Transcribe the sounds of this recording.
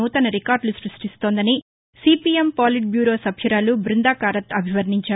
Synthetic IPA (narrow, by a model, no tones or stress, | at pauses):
uːt̪ɐnɐɾikaːɾɖlusɾusʈist̪oːnd̪ɐni | siːpiempaːliʈ̚bjuːɾo̞ːsɐbʱjɐɾaːlubɾind̪aːkaːɾɐt̪ɐbʱiʋɐɾniɲt͡ʃaː